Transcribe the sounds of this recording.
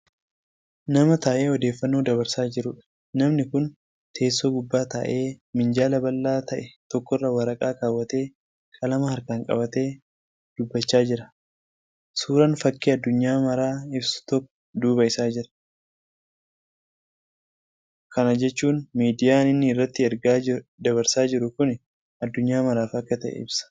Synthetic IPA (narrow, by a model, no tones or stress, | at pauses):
nɐmɐt̪ɐːʔe̞ːɔd̪eːfːɐnːuːd̪ɐβɐɾsaːd͡ʒɪɾʊᶑɐ̥ | nɐmnɪkʊn | t̪ʰe̞ːsːoːɡʊbːaːt̪ɐ̰ʔe̞ːmɪnd͡ʒaːlɐbɐlːaːt̪ɐʔɛt̪ɔkːɔrːɐwɐɾɐkʼaːkaːwːɐt̪e̞ː | kʼɐlɐmɐhɐɾkaːŋkʼɐ̰bɐt̪e̞ː | d̪̥ʊbːɐt͡ʃːaːd͡ʒɪɾɐ | suːɾɐnfɐkːiːɐd̪ːʊɲːaːmɐɾaːɪbsʊ̥t̪ɔkːɔ̥d̪uːbɐɪsaːd͡ʒɪɾɐ̥ | kɐnɐd͡ʒɛt͡ʃːuːnmiːd̪ɪjaːnɪnːɪɪrːɐt̪ːɪɛɾɡaːd̪ɐβɐɾsaːd͡ʒɪɾʊkʊnɛ | ɐd̪ːʊɲːaːmɐɾaːfɐkːɐt̪ɐʔɛ̰ɪ̰bsɐ̥